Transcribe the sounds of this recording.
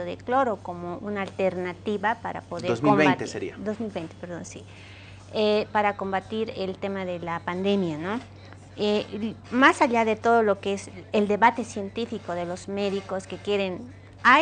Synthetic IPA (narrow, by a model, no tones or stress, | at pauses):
oðḛklo̞ɾoko̞mo̞ʔunaːlt̪e̞ɾnat̪iβapaɾa̰poðeozmilmβejnt̪eseɾḭad̪ozmilβejnt̪epeɾðo̞̰nsi | epaɾako̞mbat̪iɾe̞lt̪e̞maðe̞lapand̪e̞mjano̞ | emasaʎaðe̞t̪o̞ðo̞lo̞keeseld̪e̞βat̪e̞sje̞nt̪ifiko̞ðe̞lo̞zme̞ðiko̞ske̞kje̞ɾe̞n | a